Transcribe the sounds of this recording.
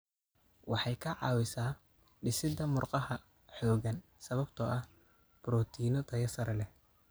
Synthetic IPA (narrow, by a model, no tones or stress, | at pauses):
wɑħɑjkʰɐʕɑːwɪsaː | ɖɪsɪd̪ɐmʊrqɑhɐ | ħɔːɣɐn | sɐβɐbt̪ʰɔʔɐh | b̥ɾɔːt̪ʰiːnɔt̪ʰɐjɐsɐɾɐlɛ